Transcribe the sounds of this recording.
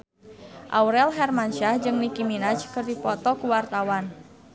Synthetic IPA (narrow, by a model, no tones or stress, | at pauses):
ʔa̰uɾɛlɦɛrmanʃahd͡ʒɨŋnikiminat͡ʃkɨrdipɔt̪ɔkuwart̪awan